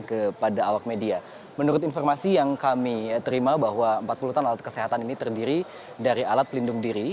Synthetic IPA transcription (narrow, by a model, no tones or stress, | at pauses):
kəpadaːwak̚media | mənuɾʊt̪infɔrmasijaŋkamit̪əɾimabaɦwaəmpat̪̚puluht̪analat̪̚kəseɦat̪aninit̪ərdiɾi | daɾialat̪̚pəlindʊŋdiɾi